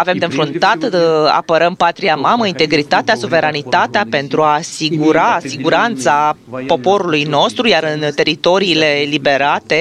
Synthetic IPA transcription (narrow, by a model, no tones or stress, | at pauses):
ave̞md̪enfɾunt̪at̪a̰pəɾəmpat̪ɾiamaməint̪e̞ɡɾit̪at̪easuve̞ɾanit̪at̪eape̞nt̪ɾuasiɡuɾasiɡuɾant̪sapo̞po̞ɾulujno̞st̪ɾujaɾɨnt̪e̞ɾit̪o̞ɾiːle̞libe̞ɾat̪e̞